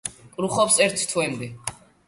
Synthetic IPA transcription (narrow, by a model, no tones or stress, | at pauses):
kʼɾuχɔpsɛɾt̪ʰt̪ʰwɛmd̪ɛ